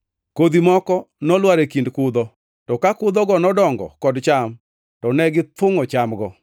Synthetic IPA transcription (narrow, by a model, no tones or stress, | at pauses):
kod̪imɔkɔnɔlwaɾekindkʊd̪ɔ | tɔkakʊd̪ɔɡɔnɔdɔŋɡɔ̰kɔdt͡ʃam | tɔnɛɡɪt̪ʊŋɔt͡ʃamɡɔ